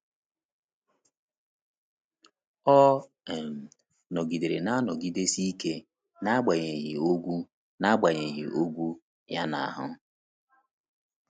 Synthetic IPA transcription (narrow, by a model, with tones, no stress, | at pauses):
ɔ˦˨ | m̩˨ | nɔ˨ɡi˨de˨ɾe˨na˦nɔ˨ɡi˦de˦si˦i˦ke˦ | na˦ɡ͡ba˨ɲe˨ɦɪ̰˨o˦ɡʷu˦ | na˦ɡ͡ba˨ɲe˨ɦḭ˨ʔo˦ɡʷu˦ | ja˦na̰˨a˨ɦʊ˦